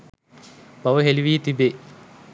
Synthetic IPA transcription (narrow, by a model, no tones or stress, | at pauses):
pɐʋɐɦelʋiːt̪ibe